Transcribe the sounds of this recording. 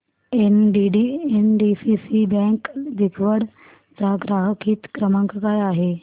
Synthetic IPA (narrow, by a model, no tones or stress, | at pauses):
enɖiɖienɖisisibɛ̃ŋkd̪ʱikʰʋəɽ | d͡zaɡɾaɦəkʰiːt̪kɾəmãŋkkajaɦe